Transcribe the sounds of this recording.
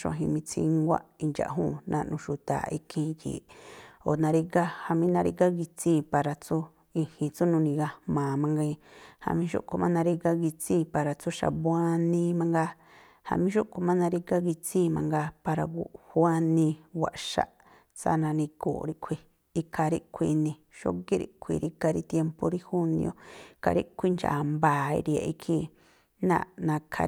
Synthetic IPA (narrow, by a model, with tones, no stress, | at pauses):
ʃõ̰˧˨ɦḭ̃˧mĩ˧t͡sʰḭ̃˧ŋɡʷa̰˦i˧nd͡ʒa̰˨ʔɦṵ̃ː˦˨nʔã̰˧ʔnũ˧ʃu˨t̪a̰˨i˧kʰĩ˧kḭ˨o˨nã˧ɾi˧ɡa˦ha˧mĩ˦nã˧ɾḭ˧ɡa˦ɡi˧t͡sĩ˦˧˨pa˨ɾa˨t͡su˦ | i˧hĩ˧t͡su˦nũ˧nĩ˧ɣa˧mãː˨mã˧ŋɡẽ˧ha̰˧mĩ˧˦ʃṵ˦ʔko˧mã˦nã˧ɾi˦˧ɡa˦ɡi˧t͡sĩː˦˧˨pa˨˧ɾa˧t͡su˦ʃa̰˨bwa˦nĩ˧˦mã˧ŋɡa˧ | ha̰˧mĩ˧˦ʃo˦ʔko˧mã˦nã˧ɾi˧ka˦ɡi˧t͡sĩ˦˧mã̰˧ŋɡa˧pa˧ɾa˧ɡu˨ha˦nĩ˧wʷa̰˨ʔʃa̰˧˨ʔ | t͡sa̰˧˦nã˧nĩ˧ko̰ː˨ɾi˧ʔkʷʰi˧ | i˧kʰa˧ɾi˦kʷʰi˧nĩ˧ | ʃo̰˦ki˦ɾḭ˧˨kʷʰḭ˧ɾi˧ka˧ɾi˧t̪je˧mpo˧ɾi˦hu˦nḭ̃˧õ̰˧ika̰˧ɾḭ˦kʷʰi˦nd͡ʒa̰˨mba˨ḭ˧ɾi˧a̰˨˧ʔi˧kʰi˧ | nã̰˧˨nã˧kʰa̰˧